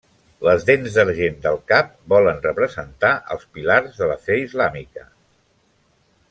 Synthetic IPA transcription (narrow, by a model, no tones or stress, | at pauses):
ləzðenzðəɾʒend̪əlˠkap̚bɔlənrəpɾəzənt̪aʔə̰lˠspilarzðələfɛizlamikə